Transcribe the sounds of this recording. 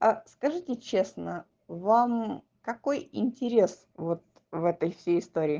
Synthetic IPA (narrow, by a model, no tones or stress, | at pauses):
askɐʐɨtʲɪt͡ɕe̞snə | vam | kɐko̞jɪ̰nʲtʲɪɾʲe̞s | vo̞t̪̚ | vɛt̪əjfsʲejɪst̪oɾʲɪː